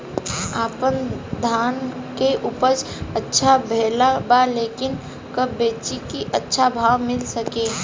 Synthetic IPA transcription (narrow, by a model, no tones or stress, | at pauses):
aːpənd̪ʱaːnkeʔuːpəɾt͡ʃ | ətːʃʰabʱeːlabaleːkɪn | kəbːeːt͡ʃikiʔətːʃʰabʱaːwmɪlsəkẽː